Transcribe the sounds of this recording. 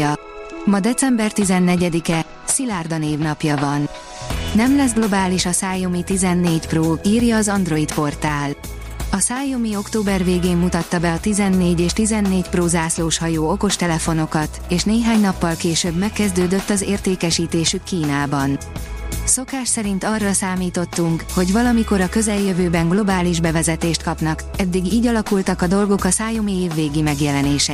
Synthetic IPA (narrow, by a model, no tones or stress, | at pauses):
ɒ | mɒd̪ɛt̪sɛmbɛrt̪izɛnːɛɟɛd̪ikɛ | silaːrd̪ɒneːvnɒpjɒvɒnː | ɛmlɛzɡlo̞baːliʃɒsaːjomit̪izɛnːeːcproːiːrjɒːzɒnd̪ro̞it̪po̞rt̪aːl | ɒsaːjomio̞kt̪oːbɛrveːɡeːmːut̪ɒt̪ːɒbɛɒt̪izɛnːeːɟeːʃt̪izɛnːeːcproːzaːsloːʃhɒjoːo̞ko̞ʃt̪ɛlɛfo̞no̞kɒt̪eːʃneːɦaːɲnɒpːɒlkeːʃøbmɛkːɛzd̪øːd̪ø̞t̪ːɒzeːrt̪eːkɛʃiːt̪eːʃykːiːnaːbɒn | so̞kaːʃsɛɾint̪ɒrːɒsaːmiːt̪o̞t̪ːuŋkho̞ɟʋɒlɒmiko̞ɾɒkø̞zɛljøvøːbɛŋɡlo̞baːliʒbɛvɛzɛt̪eːʃt̪̚kɒpn̪ɒkɛd̪ːiɡiːɟɒlɒkult̪ɒkɒd̪o̞lɡo̞kɒsaːjo̞mieːvːeːɡimɛɡjɛlɛneːʃɛ